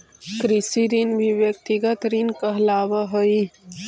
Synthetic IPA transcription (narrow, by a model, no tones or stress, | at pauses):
kɾisiɾinʋiʋjɐkt̪iɡɐt̪ɾinkəɦlaːʋɐɦəi